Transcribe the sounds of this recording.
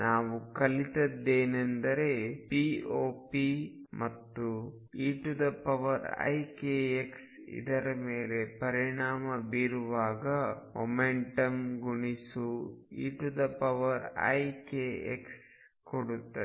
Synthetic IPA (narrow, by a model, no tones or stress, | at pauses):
naːʋukɐlit̪ɐd̪ːeːnend̪ɐɾepioːpimɐt̪ːu | iːʈud̪ɐpɐʋɐɾɐ̰jkeːeks | ḭd̪ɐɾɐmeːle̞pɐɾiɳaːmɐbiːɾuʋaːɡɐo̰meɳʈɐmɡuɳisuḭːʈud̪ɐpɐʋɐɾɐ̰jkeḛks | koɽut̪ːɐ